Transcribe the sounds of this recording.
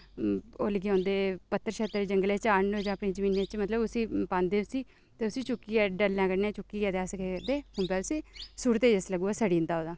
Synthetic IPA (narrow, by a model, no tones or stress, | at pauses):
o̰ːlɡːõːnd̪eːpət̪ːəɾʃeːt̪əɾd͡ʒəŋɡleːt͡ʃaːɳoːd͡ʒãːpneːd͡ʒəmiːnẽːt͡ʃmət̪ləbʊsiːpãːnd̪eːʊsiː | t̪eːʊsiːt͡ʃʊkːiːɛɖəlːãːkəɾnẽːt͡ʃʊkːiːɛːd̪aːsəkeːkəɾd̪eːhʊːbɛːʊsiːsuːɾt̪eːd͡ʒəsləɡuːaːsəɽiːnd̪aːoːd̪aː